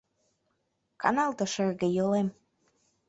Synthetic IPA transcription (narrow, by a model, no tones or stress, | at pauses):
kɑ̰nɑlˠt̪ɤ̆ʃerɣĕjolem